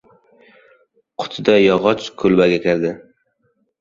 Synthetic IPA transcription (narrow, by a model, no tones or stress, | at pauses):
qʰʊ̥t̪ʰɪd̪ajɒʁɒt͡ʃkʰɵlbaɡʲakʲʰɪɾd̪ɪ